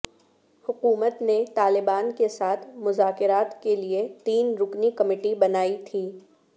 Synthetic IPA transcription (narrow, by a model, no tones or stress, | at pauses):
hʊkuːmət̪net̪aːlɪbaːnkesaːt̪ʰmʊzaːkɪɾaːt̪keliet̪iːnɾʊknikɐmɪːʈibɐnaːit̪ʰiː